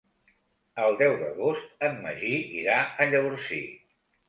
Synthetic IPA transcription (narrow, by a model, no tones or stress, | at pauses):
əlˠd̪ɛwðə̰ɣost̪̚əmmə̰ʒiḭɾaəʎəβuɾsḭ